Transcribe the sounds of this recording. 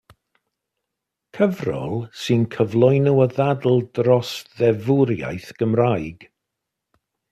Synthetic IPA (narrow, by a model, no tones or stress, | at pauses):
kʰəvrɔ̰lˠsɨnkʰəvlˠʊjnɔwəðadl̩ˠdrɔsðɛvʊɾja̰jθɡ̥əmrajɡ̥